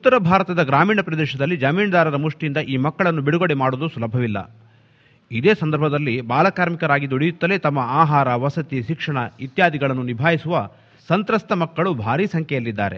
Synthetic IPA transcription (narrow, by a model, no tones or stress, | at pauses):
ut̪ːɐɾɐbʱaːɾɐt̪ɐd̪ɐɡɾaːmiːɳɐpɾɐd̪ɛːʃɐd̪ɐlːid͡ʒɐmiːnɐd̪aːɾɐɾɐmuʂʈiind̪ɐʔiːmɐkːɐɭɐnːubiɽuɡoɽemaːɽoːd̪usulɐbʱːɐʋilːɐ̰ | id̪eːsɐnd̪ɐɾbʱɐd̪ɐlːibaːlɐkaːɾmikɐɾaːɡid̪uɽijut̪ːɐle̞ːt̪ɐmːɐaːɦaːɾɐʋɐsɐt̪iʃikʂɐɳɐit̪jaːd̪iɡɐɭɐnːunibʱaːjisuʋɐ | sɐnt̪ɾɐst̪ɐmɐkːɐɭubʱaːɾiːsɐŋkʰɛjɐlːid̪ːa̰ːɾe